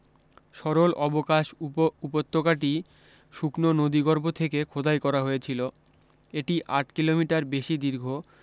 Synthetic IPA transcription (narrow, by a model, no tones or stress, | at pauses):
ʃɔɾolʔɔbokaʃupot̪ːokaʈi | ʃuknonod̪iɡɔɾbʱot̪ʰekekʰod̪ʱajkɔɾaɦoet͡ɕʰilo | eʈiʔaʈkilomiʈaɾbeʃid̪iɾɡʱo